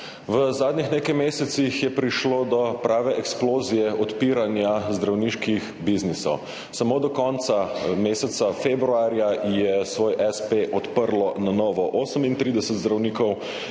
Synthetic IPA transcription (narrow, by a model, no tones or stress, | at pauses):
ʋəzaːd̪nʲixneːkajmeːsɛt̪sixjɛpɾiʃloːd̪ɔpɾʔaːʋɛʔɛksploːzijɛʔɔt̪piːɾanjazd̪ɾawniːʃkix | biznisɔ̰w | samoːd̪ɔkɔnt̪sameːsɛt̪safebɾuaːɾjajɛsʋoːjʔɛspeʔɔt̪pəɾlɔnanɔːʋɔʔoːsəmint̪ɾiːd̪ɛsət̪zd̪ɾawniːkɔw